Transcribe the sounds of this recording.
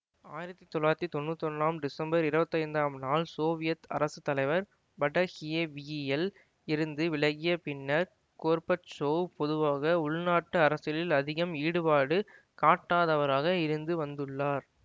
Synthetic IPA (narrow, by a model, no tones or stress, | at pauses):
aːjɪɾɐt̪ːit̪ɔlaːɾɐt̪ːit̪ɔɳːɯt̪ːɔnːaːmɖɪsɐmbɐɾɪɾɯbɐt̪ːɐɪnd̪aːmnaːlsoːʋɪjɐt̪ɐ̰ɾɐsɯt̪ːɐlɐɪʋɐɾ | bɐʈːɐhɪjeʋiɛl | ɪɾɯnd̪ɯʋɪɭɐɣɪjɐpɪnːɐɾ | koːɾpɐt͡ʃoːpɔðɯʋaːɣɐʊɭnaːʈːɯɐɾɐsɪlɪlɐðɪɣɐmiːɽɯpaːɽɯ | kaːʈːaːðɐʋɐɾaːɣɐɪɾɯnd̪ɯʋɐnd̪ɯɭːaːɾ